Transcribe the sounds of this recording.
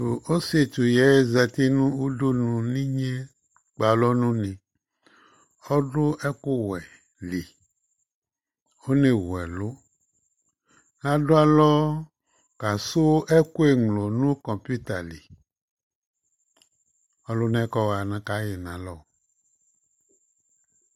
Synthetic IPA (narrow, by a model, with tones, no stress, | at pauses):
o˨o˦se˨t̪u˨jɛ˨˦e˦zɛ˨t̪i˦nũ˦u˦du˦nũ˨nĩ˦ɲɛ˦ | k͡pa˨lɔ˦nũ˦nẽ˨ | ɔ˦ɖo˦ʔɛ˦ko˦wɛ˨ | li˨ | o˦nẽ˨wɛ˨lo˦ | nã˨ɖo˦a˨lɔ˦ | ka˨so˦ʔɛ˦ko˦e˨ŋlo˨nũ˦kɔ̃˨mpu˦t̪a˨li˨ | ɔ˨˦lo˦nɛ̃˦kɔ˦wa˨nã˨ka˦je˨nã˨lɔ˦˨